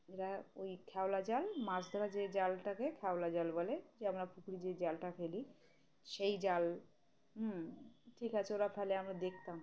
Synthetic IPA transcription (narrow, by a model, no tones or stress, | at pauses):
eɾaojkʰɛwlad͡ʑalmaɾsd̪ʱɔɾad͡ʑed͡ʑalʈakekʰɛolad͡ʑalboled͡ʑeamɾapʰukɾid͡ʑed͡ʑalʈafʰeli | ʃejd͡ʑal | ɦ | ʈʰikat͡ɕʰeoɾafɛleamɾad̪ek̚ʰt̪am